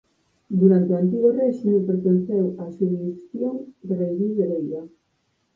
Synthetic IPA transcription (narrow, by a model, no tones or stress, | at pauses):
d̪uɾant̪eoant̪iɣorɛʃimepeɾt̪enθewasumiikθjoŋd̪erejβiðelejɣa